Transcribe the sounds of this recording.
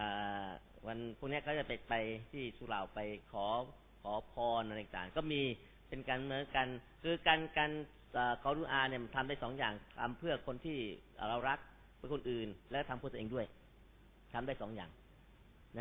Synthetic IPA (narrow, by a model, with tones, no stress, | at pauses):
ʔaː˨˩ | wa˧npʰu˥˩ŋni˦˥ɐkʰa˦˥˩t͡ɕa˨˩pe˨˩t̪̚pa˧jt̪ʰiː˥˩sʰuː˧la̰˨˩wpa˧jkʰɔː˩˦ | kʰɔː˩˦pʰɔː˧nʔa˧˨˩t̪a̰ː˨˩ŋkɔː˥˩miː˧ | pe˧nkaː˧nmɯ˧˩˦nka˧n | kʰɯː˧kaː˧nka˧n | ʔəː˨˩kʰɔː˨˦ɾu˧nʔaː˧ni˥˩ɐmt̪ʰa˧mdaː˥˩jsɔː˩˦ŋjaː˨˩ŋt̪ʰa̰˧mpʰɯ˥˩ɐkʰo˧nt̪ʰiː˥˩ʔɾa˧wɾa˦˥k̚ | pʰɯ˥˩kʰo˧nʔɯː˨˩nlɛ˦˥kːɔː˥˩t̪a˧pʰɯ˥˩t̪ːeː˧ŋdu˥˩əj | t̪ʰa˧mdaː˥˩jsɔː˩˦ŋja̰ː˨˩ŋ | na˦˥